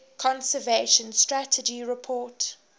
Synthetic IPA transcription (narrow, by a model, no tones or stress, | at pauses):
kʰɔ̃nsəveʃə̃nstɹatʰəd͡ʒiɹɪpʰɔːˑt